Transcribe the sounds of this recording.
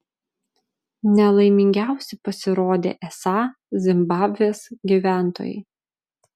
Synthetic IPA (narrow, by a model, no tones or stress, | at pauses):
nʲɛlˠɐɪmʲɪŋʲɡʲæˑʊsʲɛpɐsʲɪɾoːd̪ʲḛːʔɛsɑː | zʲɪmbɑːbʲʋʲeːsɡʲiʋʲæˑnt̪o̰ːjɛ̰ɪ